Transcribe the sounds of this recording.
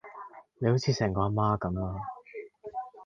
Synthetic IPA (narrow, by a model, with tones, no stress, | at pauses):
ne˧jho˨˥wt͡sʰiː˨˧sɛː˨˩ŋkɔː˧a˧maː˥kɐ˨˧˦maː˧